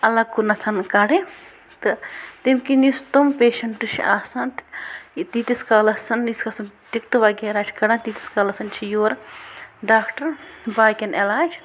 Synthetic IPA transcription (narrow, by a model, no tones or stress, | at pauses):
ɐlɐkːunɐt̪ʰɐnkɐɽe | t̪ɨt̪imkinist̪umpeːʃɐɳʈɨʃʰaːsɐnt̪t̪iːt̪iskaːlɐsɐniskɐsɐnt̪ikt̪ɨʋɐɡeːɾaːt͡ʃʰkɐɽɐ̃nt̪iːt̪i̥skaːlɐsɐnt͡ʃʰijoːɾ | ɖaːkʈɐɾbaːjkʲɐnelaːd͡ʒ